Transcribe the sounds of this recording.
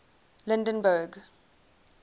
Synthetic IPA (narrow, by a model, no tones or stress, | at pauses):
lɪ̃ndə̃nbəɡ